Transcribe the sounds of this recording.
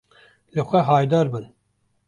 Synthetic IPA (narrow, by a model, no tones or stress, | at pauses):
lɨxʷɛɦɑːjd̪ɑːɾbɨn